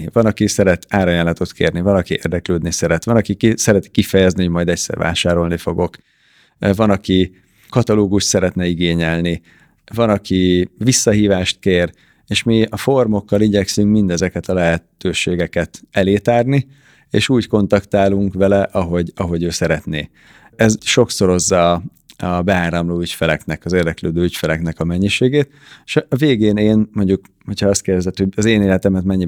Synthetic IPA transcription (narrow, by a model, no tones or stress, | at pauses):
vɒnɒkisɛɾɛt̪aːɾɒjaːlɒt̪o̞t̪kʰḛːrnivɒnɒkiʔḛːrd̪ɛkløːd̪nisɛɾɛt̪vɒnɒkikisɛɾɛt̪i̥kifɛjɛzniho̞ɟmɒjd̪ɛcsɛ̰rva̰ːʃaːɾo̞lnifo̞ɡo̞k | vɒnɒki | kɒt̪ɒloːɡuʃt̪sɛɾɛt̪nɛiɡeːɲɛlni | vɒnɒkivisːɒɦiːvaːʃt̪̚keːr | eːʃmiɒfo̞rmo̞kːɒliɟɛksyŋkmind̪ɛzɛkɛt̪ɒlɛɦɛt̪øːʃeːɡɛkɛt̪ɛleːt̪aːrni | ḛːʃuːɟko̞nt̪ɒkt̪aːluŋkvɛlɛʔɒɦo̞ɟɒɦo̞ɟøːsɛɾɛt̪nḛː | ɛzʃo̞kso̞ɾo̞zːɒ | ɒbɛaːɾɒmloːycfɛlɛknɛkɒzeːrd̪ɛkløːd̪øːycfɛlɛknɛkɒmɛɲːiʃeːɡeːt̪ | eʃːveːɡeːneːnmo̞ɲɟuk | ho̞cʰɒɒst̪̚keːrd̪ɛzɛt̪ːhoɒzeːneːlɛt̪ɛmɛt̪mɛɲːi